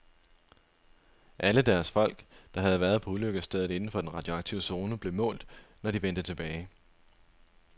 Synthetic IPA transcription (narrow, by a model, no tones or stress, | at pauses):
ʔæləd̥æɐsfɒ̽l̰ɡ̥d̥ɑ̈ɦæð̞̩ˠʋæɐð̞̩ˠpʰɒ̽uløɡ̥əsd̥eð̞̩ˠe̝nn̩fɒ̽d̥enʁɑ̈d̥jo̝ɑ̈ɡ̥̚t͡sʰiʊ̰əso̝ːnəb̥le̝mɔ̰̽ːld̥nɒd̥iʋen̰d̥ət͡sʰe̝b̥ɛːɪ